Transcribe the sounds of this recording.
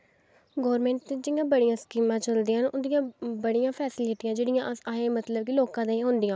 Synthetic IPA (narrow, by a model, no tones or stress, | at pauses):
ɡoːɾmẽːɳʈt̪eːd͡ʒɪɪjãːbəɽijãːskiːmãːt͡ʃəld̪ĩːnʊd̪ɪjãːbəɽijãːpʰɛːsɪlɪʈɪjãːd͡ʒeːɽɪjãːʔaẽːmət̪ləb̚kiloːkãːd̪ãːiɦʊ̃ːnd̪ɪjãː